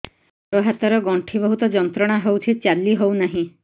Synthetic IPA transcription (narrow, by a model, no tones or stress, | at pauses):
ɾɔɦat̪ɔɾɔɡɔɳʈʰibɔɦut̪ɔd͡ʒɔnt̪ɾɔɽ̃aɦewt̪ʰit͡ʃalːiɦownaɦĩ